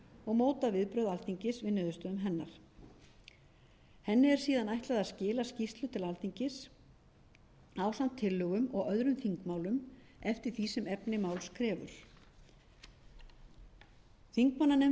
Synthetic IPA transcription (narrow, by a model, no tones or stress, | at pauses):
ɔɣmoːwt̪avɪðpɾœɥðalθiɲcɪsvɪðnʏðʏst̪œðʏmɦɛnːaɾ̥ | hɛnːɪɛɾ̥siːðanajht̪laðaðscɪːlascist̪lʏt̪ʰɪlalθiɲcɪs | aːwsan̥t̪ʰːɪlːʏɣʏmɔɣœðɾʏmθiŋkmaːwlʏm | ɛft̪ɪɾ̥θisɪmɛpnɪmaːwlskʰɾɛːvʏ̰ɾ̥ | θiŋkmanːanɛ